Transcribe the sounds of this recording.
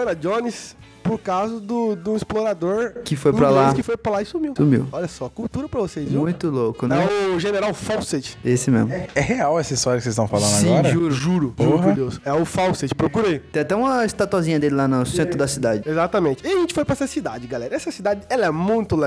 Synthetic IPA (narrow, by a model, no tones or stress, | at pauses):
ɐɾɐd͡ʒõnis | pʊɾkawzɐd̪ʊd̪ũisploɾad̪oɾkɪfojpɾɐlakɪfojpɾɐlaisumiwsumiwɔʎɐsɔɐkuwt̪uɾɐpɾɐvosezmũj̃t̪ʊlokʊnɛ̃ɛʊʒeneɾawfawset͡ʃɪ̥esɪmḛzmʊɛheawɛsɐist̪ɔɾjɐksezst̪ɐ̃w̃falɐ̃d̪saĩɔɾɐʒuɾʊʒuɾʊpohkɐwd̪ewsɛʊfawset͡ʃɪ̥pɾokuɾit̪ẽat̪ɛ̃ũmɐɪst̪at̪uazĩɲɐd̪elɪlanʊsẽnt̪ɾʊd̪ɐsid̪ad͡ʒɪezat̪ɐmẽnt͡ʃɪɪaʒẽnt͡ʃɪ̥fojpɾɐɛsɐsid̪ad͡ʒɪɡalɛɾɐɛsɐsid̪ad͡ʒɪɛlɐɛmũj̃t̪ʊlɛ